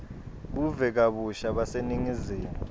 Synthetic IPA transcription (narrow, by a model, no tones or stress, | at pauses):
k̬uvɛk̬aɓuʃaɓaseniŋiziːmu